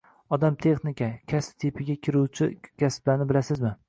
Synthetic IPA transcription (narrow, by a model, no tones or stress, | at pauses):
ɒd̪amt̪ʰe̞χnɪkʲʰakʲʰasp̚t̪ʰepʰɪɡʲakʲʰɪɾuwt͡ʃʰɪkʲʰasblanɪbɪlasɪzmɪ